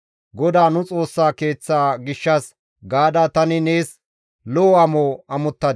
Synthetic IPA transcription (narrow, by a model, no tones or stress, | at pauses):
ɡɔd̪aːnʊt͡sʼo̞ːsːaːke̞ːt͡sːaːɡɪʃːɐs | ɡaːd̪at̪ɐnɪne̞ːs | lɔɔɐmoːɐmʊt̪ːɐd̪